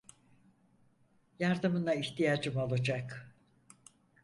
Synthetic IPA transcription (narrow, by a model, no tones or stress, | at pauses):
jaɾd̪ɯmɯnaiçt̪ʰijad͡ʒɯmolˠud͡ʒak